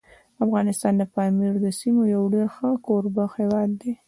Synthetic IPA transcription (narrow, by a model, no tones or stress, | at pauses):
afɣɑnɪst̪ɑnd̪əpɑmiɾd̪əsimojawɖeɾxəkoɾbaxhewɑd̪ːe